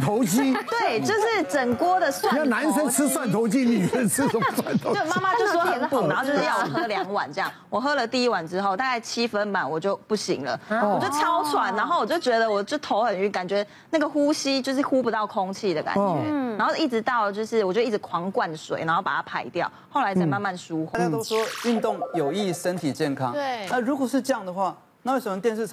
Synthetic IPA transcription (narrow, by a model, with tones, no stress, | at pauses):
t̪ʰo˧˦ʊt͡ɕi˥t̪we˥˩ɪt͡ɕjo˥˧ʊʂɻ̩˥˩ʈ͡ʂə˨˩ŋkwɔ˥d̪ə˨swa˥˨a˥˩na˧˦nsə˥ŋt͡s̩ʰ˥swa˥˩nt̪ʰo˧˦ʊt͡ɕi˥ni˨˩fə˥˩nt͡s̩ʰ˥˦˥swa˥˩nt̪ʰo˧˦t͡ɕo˥˧ma˥ma˨t͡ɕjo˥˧ʊ˥ʂwɔ˥xə˧˥npu˨˩na˨˧n˥˧t͡ɕjo˥˧ʂjɑ˥˩ʊ˨˩xɤ˥ljɑ˧˩˥ŋwa̰˨˩˦nʈ͡ʂɤ˥˧jɑ˥˩ŋwɔ˨˩xɤ˥lə˨t̪i˥˧i˥wa˨˩nʈ͡ʂɻ̩˥xo˥˧ʊt̪a˥˧ka˥˩ɪt͡ɕʰi˥fə˦nma˨˩˦nwɔ˨˩t͡ɕjo˥˧ʊpu˥˩ɕḭ˨˩ŋlə̰˦wt͡ɕjo˥˩t͡sʰɑ˦˥ʊt͡sʰwa˨˩˦nna˧˥nxo˥˩ʊwɔ˨˩t͡ɕjo˥˩ʊt͡ɕɥɛ˧˥d̪ə˧˨wɔ˨˩t͡ɕjo˥˩ʊt̪ʰo˧˥ʊxə˨˩ny˧˥ka˨˩nt͡ɕɥɛ˧˦ | na˥˩ɡə˩xu˦ɕi˥t͡ɕjo˥˧ʊʂɻ̩˥˩xu˥pu˧˦t̪ɑ˥˩ʊkʰo˦ŋt͡ɕʰi˥˩d̪ə˩ka̰˨˩ɛ˧˦na˧˥nxo˥˧ʊi˥˩ʈ͡ʂɻ̩˧˥t̪ɑ˥˩ʊlə˩t͡ɕjo˥˧ʊʂɻ̩˥˩wɔ˨˩t͡ɕjo˥˧ʊi˥˩ʈ͡ʂɻ̩˧˦kʰwɑ˧˥ŋkwa˥˩nd̪ə˩swe˨˩ɪna˧˥ŋxo˥˩pa˨˩t̪ʰa˥pʰa˧˥ɪt̪jɑ˥˩ʊxo˥˩ʊla˧˦ɪa˥ɪma˥˧nma˥˨˩nsu˦xa˥t̪o˥ʊʂwɔ˥y˥˧nt̪ʊ˥˨˩ŋjo˨˩ʊi˥˩ʂə˦nt̪ʰi˨˩t͡ɕjɛ˥˨nkʰɑ˦˥ŋna˥˩ɻu˧˥kwɔ˨˩ʂɻ̩˥˧ʈ͡ʂɤ˥˧jɑ˥˨ŋd̪ə˩xwa˥˩ | na˨˩wʂə˨˩mə˧˦t̪jɛ˥˧nʂɻ̩ʰ˥˩